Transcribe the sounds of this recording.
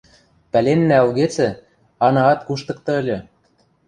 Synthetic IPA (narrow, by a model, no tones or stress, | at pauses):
pælʲenːæɑ̆lɣet͡sɘ̆ | ɑnɑɑt̪kuʃt̪ɤ̆k̚t̪ɤ̆ə̆lʲɤ̆